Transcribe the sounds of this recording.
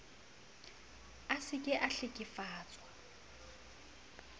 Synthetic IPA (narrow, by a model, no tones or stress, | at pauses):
asɪkʼɪʔaɬɪkʼɪfaːt͡sʼwa